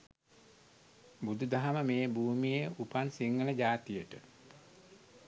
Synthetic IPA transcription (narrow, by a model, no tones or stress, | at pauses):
bud̪ud̪aɦaməmeːbuːmijeupansiŋɡələd͡ʒaːt̪ijəʈə